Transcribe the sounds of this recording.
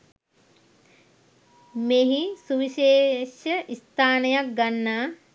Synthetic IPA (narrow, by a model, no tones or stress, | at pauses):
meːɦisuʋiʃeːʃəʔist̪aːnəjak̚ɡanːaː